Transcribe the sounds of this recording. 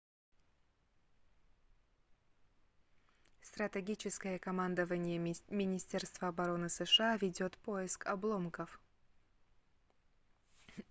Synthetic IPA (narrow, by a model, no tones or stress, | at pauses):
st̪ɾət̪ʲɛɡʲit͡ɕɪskəjəkɐmand̪əvənʲɪjəmʲɪnʲɪsʲtʲerst̪vəɐbɐɾo̞nɨsəʂɨavʲɪdʲo̞t̪po̞ɪskɐblˠomkəf